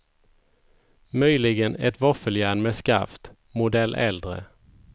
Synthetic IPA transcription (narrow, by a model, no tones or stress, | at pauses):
mœjlɪɡənɛ̰t̪vafəljæːɳmɛska̰ft̪ | mʊd̪ɛlːʔɛld̪ɾə̰